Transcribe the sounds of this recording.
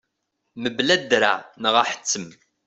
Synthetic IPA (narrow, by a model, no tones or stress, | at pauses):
məblæd̪ɾa̰nəʁaħə̥t͡sːəm